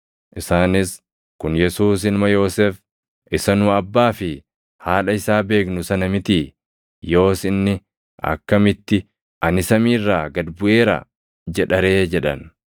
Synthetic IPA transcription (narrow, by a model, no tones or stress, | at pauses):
ʔɪsaːnɪs | kʊnjɛsuːs̬ɪlmɐjo̞ːseːf | ʔɪsɐnʊɐbːaːfɪ | haːlɐɪsaːbe̞ːknʊsɐnɐmɪt̪iː | jo̞ːsɪnːɪ | ʔɐ̰kːɐmɪt̪ːɪ | ʔɐnɪsɐmiːrːaːɡɐd̪bʊʔe̞ːɾɐ̰ | d͡ʒɛᶑɐɾe̞ːd͡ʒɛᶑɐ̰n